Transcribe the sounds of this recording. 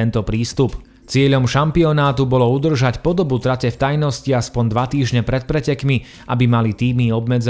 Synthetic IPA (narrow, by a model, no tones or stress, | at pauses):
ɛnt̪ɔpɾiːst̪up | t͡sɪɛʎɔmʃampiɔnaːt̪ubɔlɔud̪r̩ʒacpɔd̪ɔbut̪ɾacɛft̪ajnɔsciaspɔnd̪ʋat̪iːʒɲɛpɾɛt̪̚pɾɛcɛkmi | ʔabimalit̪iːmiɔbmɛd͡z